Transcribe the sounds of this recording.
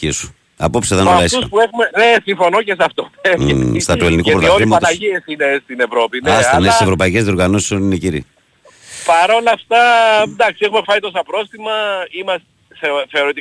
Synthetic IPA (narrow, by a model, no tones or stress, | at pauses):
isu̥ | ɐpo̞pseðenolɐisuspuexumenesiɱfo̞nocesɐft̪onest̪ɐt̪uelinikupɾot̪izmɐt̪oɐsiesinest̪ine̞vɾo̞pinɐst̪ɐnesisevɾo̞pɐicezðio̞ɾɣɐnosi̥sonineciɾḭ | pɐɾo̞lɐft̪ɐd̪ɐksiexumefɐnit̪o̞s̬ɐpɾo̞st̪imɐimɐst̪ | θeθeoɾot̪i